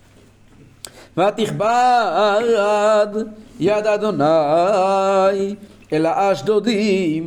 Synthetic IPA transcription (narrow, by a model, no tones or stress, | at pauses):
vat̪iχba | ɾad̪jad̪ad̪ona | j | elaʔaʃd̪od̪im